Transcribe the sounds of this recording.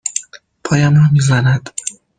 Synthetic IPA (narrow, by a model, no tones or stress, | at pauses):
pʰɒːjæmɾɒmiːzænæd̪̥